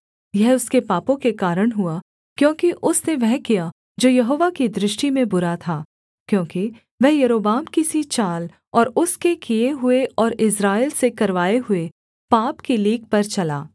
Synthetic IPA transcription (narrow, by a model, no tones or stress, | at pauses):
jɛɦʊskepaːpõkekaːɾəɽ̃ɦʊa | kjõːkiʔʊsneʋɛɦkija | d͡ʒoːjɐɦoːʋakid̪ɾɪʃʈimẽbʊɾat̪ʰaː | kjõːki | ʋɛɦjɐɾoːbaːmkisit͡ʃaːl | ɔːɾʊskekijeɦʊeʔɔːɾɪsɾaːeɪːlsekɐɾʋaːeɦʊe | paːpkiliːk̚pɐɾt͡ʃɐla̰ː